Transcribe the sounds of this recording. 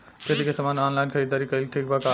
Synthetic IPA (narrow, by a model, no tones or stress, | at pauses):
ket̪ikesəmanɔnlajnkʰəid̪əɾikəjlʈʰik̚baka